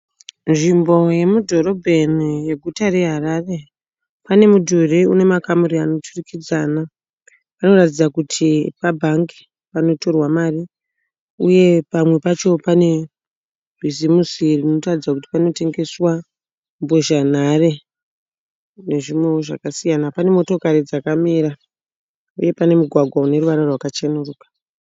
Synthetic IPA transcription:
nʐimbo̞je̞mudʱo̞ro̞bʱenije̞ɡʱutaɾe̞ɦaɾare̞ | pane̞mudʱureune̞makamuɾiano̞tʰurikid͡zaːna | pano̞rat̬id͡zakutʰipabʱaŋɡi̥ | pano̞to̞rwamaːri | uje̞pamwe̞pat͡ʃo̞pane̞ | b̥ʱizimusirino̞tarid͡zakuti̥pano̞te̞ŋɡe̞swa | mbo̞ʒan̤are̞ | ne̞ʐimweʐa̰kasijanapane̞mo̞to̞kaɾid͡zakamiɾa | uje̞pane̞muɡʱwaɡʱwaune̞ruʋaɾorwakat͡ʃenuruːkḁ

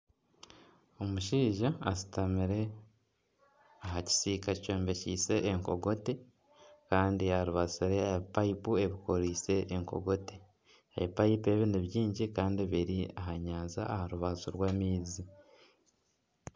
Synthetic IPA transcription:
o̞muʃiːʒaːsi̥tamiɾe̞ | aɦaci̥siːkaco̞ːmbeciːse̞ʔːŋko̞̰ɡo̞te | kaːndiaɾuβaziɾeaβipaipue̞βikoɾiːse̞ʔːŋko̞̰ɡo̞te | ḛβipaipe̞βiniβjiːɲɟikaːndiβiɾiaɦaɲaːza̰ːhaɾuβazuɾwaːmiːzi

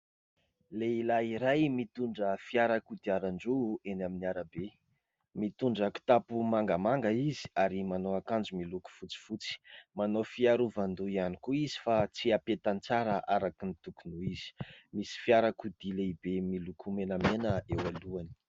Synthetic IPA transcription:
leilaiɾajmit̪uɳɖ͡ʐəfiaɾakud̪iaɾaɳɖ͡ʐuenaminiaɾabe | mit̪uɳɖ͡ʐəku̥t̪apumaŋɡamaŋɡəizi̥aɾimanoakand͡ʒumiluku̥fut͡si̥fut͡si̥manofiaɾuvand̪uianikuizi̥fat͡siapet̪ant͡saɾəʔaɾakinit̪ukunuiz̥i̥misi̥fiaɾakud̪̥ileibemilukumenamenəewaluani̥

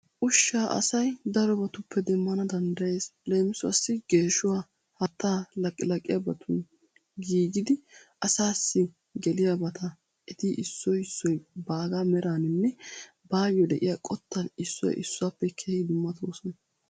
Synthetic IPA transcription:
ʔʊʃːaːʔɐ̰sɐjd̪ɐɾɔbɐt̪ʊpːɛd̪ɛmːɐnɐd̪ɐnd̪ɐje̞ːsle̞ːmɪsʊɐsːɪɡe̞ːʃʊwaː | hɐt̪ːaːlɐkʼːɪlɐkʼːɪjɐbɐt̪ʰʊn | ɡiːɡɪd̪ɪʔɐsaːsːɪ | ɡɛlɪjabɐt̪ʰɐ | ʔɛt̪ɪʔɪsːɔjɪsːɔjbaːɡaːmɛɾaːnɪnːɛ | baːjjɔd̪ɛʔɪ̰jaːkʼɔt̪ːɐnɪsːɔ̰jʔɪ̰sːʊapːɛkʰeːd̪ʊmːɐt̪ʰoːsɔnɐ

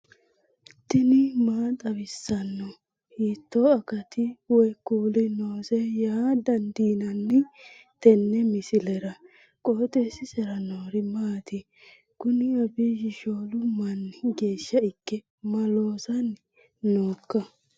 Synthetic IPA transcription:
t̪ːɪnɪmaːt̪ʼɐβɪsːɐnːɔ | hiːt̪ːoːɐkɐt̪ɪwɛjkuːlɪnoːsɛjaːd̪ɐnd̪iːnɐnːɪ | t̪ɛnːɛmɪsɪlɛɾɐ | kʼoːt̪ʼesɪsɛɾɐnoːɾɪmaːt̪ɪ | kʊnɪɐbiːd͡ʒɪʃo̞ːlʊmːɐnːɪɡe̞ːʃːɐɪkːɛ | mɐlo̞ːsɐn | noːkːɐ

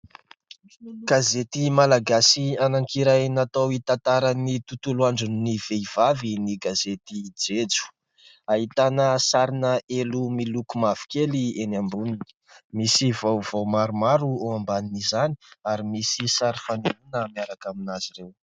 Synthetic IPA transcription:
ɡ̥azet̪imalaɡasianaŋkiɾajnat̪awit̪ant̪aɾanit̪ut̪uluaɳɖ͡ʐunniv̥eivaviniɡazet̪id͡zed͡zu̥ | aɦit̪anəsaɾinəelumilukumav̥i̥kelienambuninə̥ | misivowv̥owmaɾumaɾuoambaninizani̥aɾimisisaɾifaneunəmiaɾakaminaz̥irew

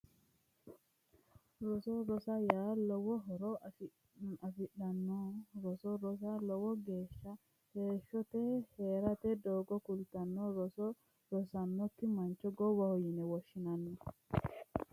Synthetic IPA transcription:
ɾɔsɔɾɔsɐjaːlɔwɔɦɔɾɔ | ɐfɪɗɐnːɔɾɔsɔɾɔs̬ɐlɔwɔɡe̞ːʃːɐ | heːʃːɔt̪ɛheːɾɐt̪ɛd̪oːɡɔkʊlt̪ɐnːɔɾɔsɔ | ɾɔsɐnːɔkːɪmɐnt͡ʃːɔɡɔwɐhɔjɪnɛwɔʃːɪnɐnːɔ

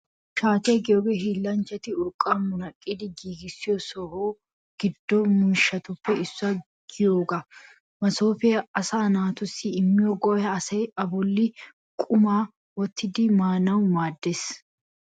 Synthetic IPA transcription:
ʃaːt̪ɛɡɪjobɛɦiːlːɐnt͡ʃɛt̪ɪʊkʼːɐmʊnɐkʼːɪd̪ɪɡiːɡɪsːɪjosɔho | ɡ̥ɪd̪ːomʊʃɐt̪ʊpːɛɪsːɐ | ɡ̥ɪjoːɡɐ | mɐsoːfɛɐsaːnaːt̪ʊsːɪːmːɪjɔɡɔːjɐːsɐjɐbɔlːɪ | kʼʊmaː | wɔt̪ːɪd̪ɪmaːnɐwmaːd̪ːes

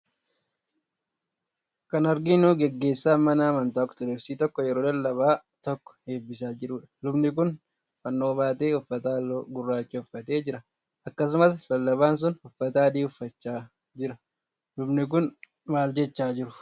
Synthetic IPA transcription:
kɐnɐɾɡinuːɡɛɡːe̞ːsːaːmɐnaːmɐnt̪aːkt̪ʊlɛfsiːt̪ɔkːɔjɛɾoːd̪ɐlːɐbaːt̪ɔkːɔ̥he̞ːbːɪsaːd͡ʒɪɾuːᶑɐ̥lʊbnɪkʊn | fɐnːo̞ːbaːt̪e̞ːʊfːɐt̪aːɡʊrːaːt͡ʃːɛʊfːɐt̪e̞ːd͡ʒɪɾɐ | ɐkːɐs̬ʊmɐslɐlːɐβaːns̬ʊnhʊfːɐt̪aːd̪iːʊfːɐt͡ʃːaː | d͡ʒɪɾɐ | lʊbnɪk̬ʊn | maːld͡ʒɛt͡ʃːaːd͡ʒɪɾʊ̥

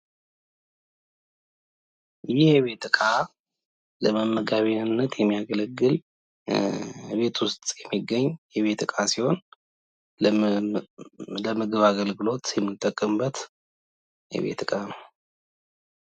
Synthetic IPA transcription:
jɪhjɛβe̞t̪ɨkʼa | ləməmːəɡaβinɨnːət̪jɛmːijaɡələɡːɨl | be̞t̪ʰwʊst̪ʼjɛmːiɡːəɲːjɛβe̞t̪ɨkʼasiho̞n | ləmɨɡɨβaɡəlɡɨlo̞t̪jɛmːɨt̪ʼːəkʼːɨmbət̪ | jɛ̰βe̞̰t̪ɨkʼanəw

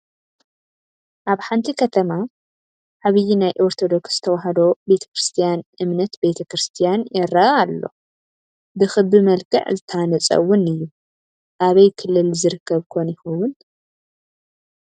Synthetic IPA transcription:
ʔaβħant̪ʰikʰɐt̪ʰɐma | ʕaβɨjinajʔo̞ɾt̪ʰo̞d̪o̞ksz̥ɨt̪ʰɐwaɦɐd̪o̞be̞t̪ʰɐ̥kɾɨst̪ʰijanɨmnɐt̪be̞t̪ʰɐkɾɨst̪ʰijanjɛɾɐːlːo̞̰ | bɨxɨbɨmɐlkʰɨ̰ʕzɨt̪ʰɐanɐt͡sʼɐ̰wʊnɨjːu | ʔaβɐjkʰɨlːɨlzɨɾɨkʰːɐβkʰonjɪxuwʊn

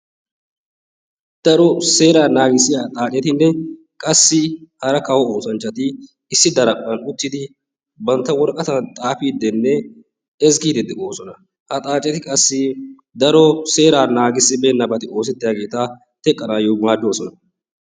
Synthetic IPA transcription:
d̪̥ɐɾɔse̞ːɾaːnaːɡɪsːɪjat̪ʼaːt͡ʃʼɛt̪ɪnːɛ | kʼɐsːɪhɐɾɐkɐwɔoːsɐnt͡ʃːɐt̪ɪ | ɪsːɪd̪ɐɾɐpʼːɐnʊt̪ːɪd̪ɪ | bɐnt̪ːɐwɔɾkʼɐt̪ɐnt̪ʼaːfiːd̪ɛnːɛ | ɛzɡiːd̪ɛd̪ɪʔoːsɔnɐ | hɐt̪ʼaːt͡ʃʼɛt̪ɪkʼɐsːɪ | d̪ɐɾɔse̞ːɾaːnaːɡɪsːɪbeːnːɐbɐt̪ɪʔo̞ːs̬ɛt̪ːɪjaːɡe̞ːt̪ɐ | t̪ɛkʼːɐnaːjomaːd͡ʒːoːsɔnɐ

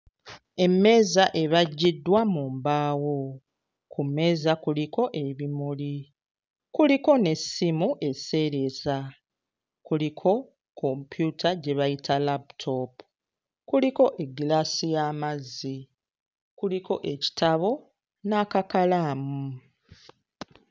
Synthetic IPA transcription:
e̞mːe̞ːzaʔe̞βaɟːidːwamuːmbaːwo̞ | kʰume̞ːzakuliko̞ʔe̞βimuli | kuliko̞ne̞simuʔe̞se̞ːɾe̞za | kulikʰo̞ | kʰo̞mpjutʰaɟe̞βajitʰalabtʰo̞pu | kuliko̞ʔe̞ɡilaːsijaːmazːi | kuliko̞ʔe̞ci̥taβo̞ | naːkakalaːmu

